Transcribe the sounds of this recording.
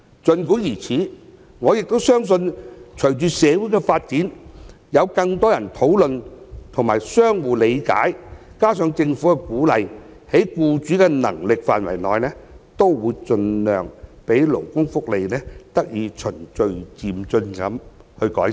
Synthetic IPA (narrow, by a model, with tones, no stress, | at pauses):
t͡sɵ˧nkuː˨˥jiː˨˩t͡sʰiː˨˥ | ŋɔː˨˧jɪ˨k̚t̪o˥wsœː˥ŋs̬ɵ˧nt͡ʃʰɵ˨˩ɥt͡ʃyː˨sɛː˨˧wuː˨˥jkɛ˧faː˧t̚t͡siː˨˥n | jɐ˨˧wkɐ˧ŋt̪ɔː˥jɐ˨˩nt̪ʰo˨˥wlɵ˨˧nt̪ʰʊ˨˩ŋmaː˨˩jsœː˥ŋwuː˨le˨˧jka̰ː˨˥jkaː˥sœː˨˧ŋt͡sɪ˧ŋfuː˨˥kɛ˧kuː˨˥lɐ˨˧j | he˨˥jkuː˧t͡ʃyː˨˥kɛ˧nɐ̰˨˩ŋlɪ˨k̚faː˨˩nwɐ˨˩jnɔ̰ː˨jlɛː˥t̪o˥wwuː˨˧jt͡ʃɵ˧nlœː˨ŋpe˨˥jlʊ̰˨˩wkʊ˥ŋfʊ˥k̚le˨˧jlɛː˥t̪ɐ˥k̚jiː˨˧t͡ʃʰɵ˨˩nt͡ʃɵ˧ɥt͡siː˨mt͡sɵ˧nkɐ˨˥m | hɵ˧kɔ̰ː˨˥j